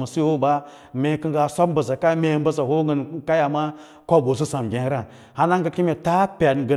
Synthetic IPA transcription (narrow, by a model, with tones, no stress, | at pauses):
ma˨si˦ho˦ba˦ | mʲe˨˦kə˦ŋɡa˨sʷa˦m̩˦bə˨za˨ka˦me˦˨˦bə˦za˨ho˦ɡə˨n˦ka˦ja˨ma˦ | kʷo˦bo˨s̬i˦sa˨m˨ɡʲe˨˦ɾa˨ | ha˦na˦ŋ˦ɡa˨kʲi˦me˨ta˦pʲa˨dɡə˨